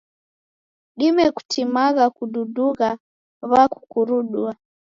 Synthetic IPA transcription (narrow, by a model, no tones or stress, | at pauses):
ɗimɛku̥tʰimaɣakuɗuduɣa | βaku̥kuɾuɗua